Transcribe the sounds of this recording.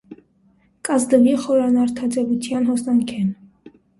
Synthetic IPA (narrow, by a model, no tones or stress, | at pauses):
kʼɑzd̪əviχɔɾɑnɑɾt̪ʰɑd͡zɛvut̪ʰjɑnɦɔsnɑŋkʰɛn